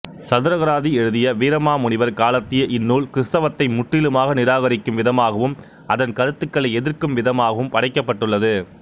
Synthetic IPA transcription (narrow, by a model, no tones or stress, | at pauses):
sɐðɯɾɐɣɐɾaːðiɛɻɯðɪjɐʋiːɾɐmaːmʊɳɪʋɐɾkaːlɐt̪ːɪjɐʔɪnːuːɭkɪɾɪst̪ɐʋɐt̪ːɐɪmʊʈrɪlɯmaːɣɐnɪɾaːɣɐɾɪkːɯmʋɪðɐmaːɣɐʋɯm | ʔɐðɐnkɐɾɯt̪ːɯkːɐɭɐɪɛðɪɾkɯmʋɪðɐmaːɣɐʋɯmpɐɽɐɪkːɐpːɐʈːɯɭːɐðɯ